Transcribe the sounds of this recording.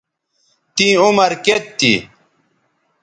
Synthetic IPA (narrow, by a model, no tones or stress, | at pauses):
t̪ĩːumɐɾket̪ːḭ